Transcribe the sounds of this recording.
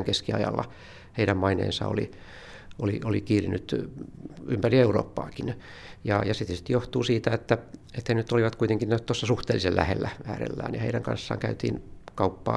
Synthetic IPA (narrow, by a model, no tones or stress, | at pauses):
ŋkeskiɑ̰jɑ̰lːɑ̰ | heiɾæmmɑinḛːnsɑ̰o̰li | oliolikiːrinyt̪ | ympærieuro̰ːpːɑ̰ːkin | jɑjɑsit̪st̪joht̪uːsiːt̪æet̪ːæet̪henyt̪ːoliʋɑt̪kuit̪eŋkinnæt̪osːɑsuht̪eːlːisellæ̰hḛlːææ̰ːrḛlːæ̰ːnjɑḛiɾæŋkɑ̰nsːɑ̰ːŋkæyt̪ḭːnkɑupːɑ̰ː